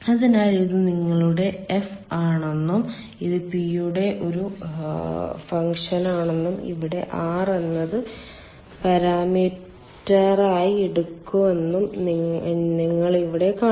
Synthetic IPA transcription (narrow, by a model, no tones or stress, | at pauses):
ɐðinaːliðɨniŋːɐɭuɽe̞ːfaːɳenːum | iðɨpijuɽe̞ʔo̞ɾu | fɐŋkʂɐnaːɳenːumḭʋiɽe̞̰ʔaːrenːɐðɨ | pɐɾaːmiː | ɐraːjieɽukːuʋe̞nːum | niŋːɐɭiʋiɽe̞kaː